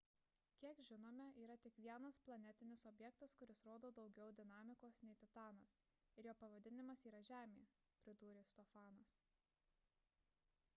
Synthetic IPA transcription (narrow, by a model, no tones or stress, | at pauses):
kʲiɛkʒʲɪnoːmʲɛʔiːɾɐt̪ʲɪkʋʲiɛnɐsplˠɐnʲɛt̪ʲɪnʲɪsɔbʲjɛkt̪ɐskʊɾʲɪsɾoːd̪oːd̪ɒʊɡʲɛʊd̪ʲɪnɑːmʲɪkoːsnʲɛɪt̪ʲɪt̪ɑːnɐs | ɪɾjoːpɐʋɐd̪ʲɪnʲɪmɐsiːɾɐʒʲæːmʲḛː | pʲɾʲɪd̪uːɾʲeːst̪ɔfɑːnɐs